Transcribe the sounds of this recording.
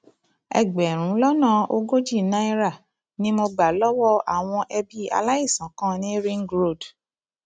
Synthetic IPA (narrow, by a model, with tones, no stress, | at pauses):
ɛ̰˨ɡ͡bɛ˨ɾ̃ũ˨˦lɔ˦nã˦˧˨o˧ɡo˦d͡ʒi˦˨nã˦i˦ɾa˦˨ | nĩ˦mo˧ɡ͡ba˨lɔ˦wɔ˦a̰˨w̃ɔ̃˧ʔɛ˧bi˦a̰˧la˦i˦˨sã˨˦kã˦˨nĩ˦ɾĩ˦ŋɡɾo˦˨d